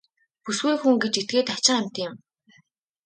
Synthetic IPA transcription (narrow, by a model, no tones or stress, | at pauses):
pusɡujxuŋɡet͡ɕet̪̚ɡeːt̪at͡ɕɪ̆ŋam̥ʲt̪jɪ̆m